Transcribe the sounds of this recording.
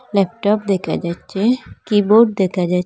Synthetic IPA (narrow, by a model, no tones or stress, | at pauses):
lɛp̚ʈɔp̚d̪ekʰa̰d͡ʒat͡ʃʰekiboʈ̚d̪ekʰad͡ʒa